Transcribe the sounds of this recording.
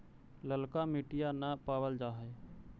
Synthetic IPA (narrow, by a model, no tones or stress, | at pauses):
ləlkamɪʈɪjanəpaːwəld͡ʒaːɦɛː